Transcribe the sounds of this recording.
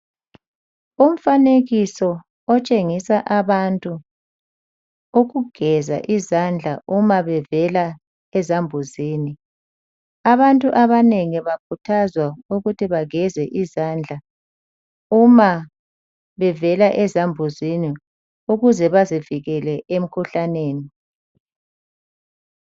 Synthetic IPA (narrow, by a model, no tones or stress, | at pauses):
um̩faneɣisɔ | ɔt͡ʃʼeŋisaʔaβantʼu | uɣuɡ̥ʱɛza̰ʔizand͡ɮʱaʔumaβɛvɛla | ɛzambʱuziːni | aβantʼuʔaβaneŋiβakʰutʰazwauɣutʰiβaɣɛzɛʔizand͡ɮʱa | uma | βɛvɛlaʔɛzambʱuzini | uɣuzɛβaziviɣɛlɛʔem̩kʰuɬaneːni